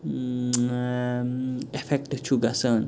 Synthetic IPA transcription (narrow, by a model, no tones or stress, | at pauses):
efʰɛk̚ʈt͡ʃʰuɡɐsəːn